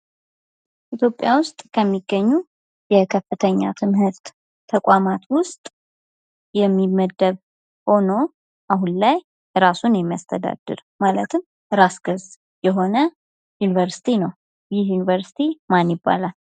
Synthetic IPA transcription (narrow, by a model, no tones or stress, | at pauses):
ʔit̪ʰjo̞pʼːjawʊst̪ʼkʰəmːiɡːəɲːu | jɛkʰəfːɨt̪ʰəɲːat̪ʰɨmɦɨɾt̪ | t̪ʰːəkʷʼamat̪wʊst̪ʼ | jɛmːiməd̪əβ | ho̞no̞ | ʔaɦunlaj | ɾasunjɛmːiast̪ʰəd̪a̰d̪̥ːɨ̰ɾ | malə̰t̪ʰɨm | ɾasɡ̥əz | jɛɦo̞nə | junivəɾsi̥t̪ʰinəw | jɪhjunivəɾsi̥t̪ʰimanjɪbːa̰lal